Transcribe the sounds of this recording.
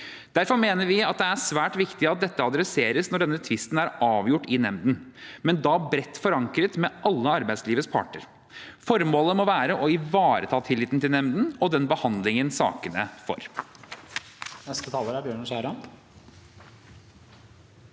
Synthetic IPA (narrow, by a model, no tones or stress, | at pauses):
d̪̥æɾfɔɾmeːnəɾʋɪɑt̪̚d̪ɛæsʋæːʈʋɪkt̪ɪɑt̪̚d̪ɛt̪ːəɑd̪ɾɛseːɾəsnɔɖɛnːət̪ʰʋɪst̪n̩æɾɑːʋjʊʈːɪnɛmd̪n̩mɛnd̪ɑːbɾɛt̪ːfɔɾɑŋkɾət̪mɛʔɑlːəɑɾbæɪsliːʋəspʰɑ̰ʈəɾ | fɔɾmoːləmɔʋæːɾəʔɔɪʋɑːɾət̪ʰɑːt̪ʰɪlːɪːt̪n̩t̪ɪlnɛmd̪n̩ɔd̪ɛnbəhɑnd̪lɪŋənsɑ̰ːkənəfɔ̰ɾ | nɛst̪ət̪ʰɑːlˠəɾæɾbjøːɳʂæɪɾɑn